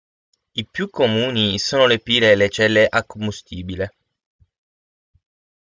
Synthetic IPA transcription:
ipjukʰːomuːnisoːnolepiːɾelet͡ʃɛlːeʔakːombust̪iːbile

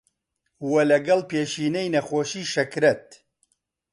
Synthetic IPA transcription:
wɐlɐɡɐlpeːʃiːnɛjnɐxoːʃiːʃɐkɾɛt̪̚

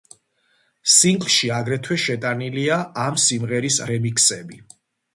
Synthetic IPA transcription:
siŋɡʼlʃiaɡɾɛt̪ʰwɛʃɛt̪ʼaniliaʔamsimʁɛɾisɾɛmikʰsɛbi

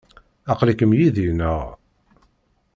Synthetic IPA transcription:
ɑqlikəmjiðinəʁ

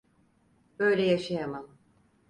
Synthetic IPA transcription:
b̥ø̞jlʲɛjaʃajamam

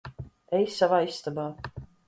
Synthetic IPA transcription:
ɛjsːavaːisːt̪abaː

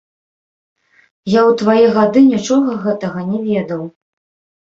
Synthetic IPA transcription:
jawt̪vajɛɣad̪ɨnʲit͡ʂɔɣɐɣɛt̪ɐɣɐnʲɛvʲɛd̪ɐw

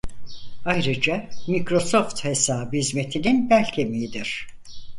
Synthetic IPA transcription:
ajɾɯd͡ʒamicɾo̞soft̪hesaːbɯizme̞t̪ʰininbælʲcʰemiid̪iɾ̥

